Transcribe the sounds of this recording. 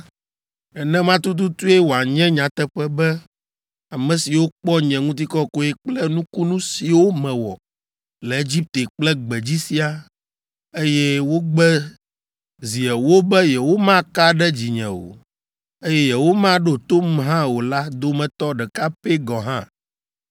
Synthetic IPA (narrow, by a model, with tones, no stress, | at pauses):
ɛ˨nɛ̃˦mã˦t̪u˦t̪̬u˦t̪u˦e˦wo˨a˨ɲɛ̃˦ɲã˨t̪ɛ˦ɸɛ˦bɛ˦ | a˨mɛ̃˨si˨wo˦k͡pɔ˦ɲɛ̃˨ŋũ˦t̪̬i˦kɔ˦ko˦ɛ˦k͡plɛ˦nũ˦ku˦nũ˦si˨wo˦mɛ̃˨wɔ̰˨ | lɛ˨e˦d͡ʑi˦p̚t̪e˨k͡plɛ˦ɡ͡bɛ˨d͡ʑi˦si˦a˦ | e˦jɛ˦wo˦ɡ͡bɛ˦ | zi˨ɛ˨wo˦bɛ˦jɛ˨wo˦mã˦ka˦ɖɛ˦d͡ʑi˨ɲɛ̰̃˨wo̰˨ | e˦jɛ˦jɛ˨wo˦mã˦ɖo˦t̪o˦m˦ɦã˦wo˨la˦d̪o˦mɛ̃˨t̪ɔ˦ɖɛ˨ka˦pe˦ɡɔ˨ɦã˦